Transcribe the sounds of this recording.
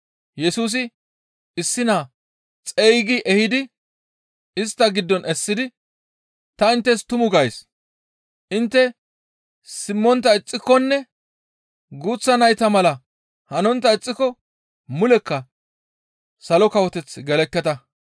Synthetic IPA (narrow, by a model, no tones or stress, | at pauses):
jɛsuːs̬ɪ | ɪsːɪnaː | t͡sʼɛjɡɪʔɛhɪd̪ɪ | ɪst̪ːɐɡɪd̪ːɔnʔɛsːɪd̪ɪ | t̪ɐɪnt̪ːɛst̪ʊmʊɡɐjs | ʔɪnt̪ːɛ | sɪmːɔnt̪̬ːɐɪt͡sʼːɪkːɔnːɛ | ɡuːt͡sːɐnɐjt̪ɐmɐlɐ | hɐnɔnt̪ːɐɪt͡sʼːɪkɔ | mʊlɛkːɐ | sɐlɔkɐwɔt̪ɛt͡sːɡɛlɛkːɛt̪ɐ